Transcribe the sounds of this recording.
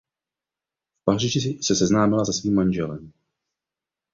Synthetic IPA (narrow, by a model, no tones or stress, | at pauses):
fpar̝iʒɪsɛsɛznaːmɪlazasviːmːanʒɛlɛ̰m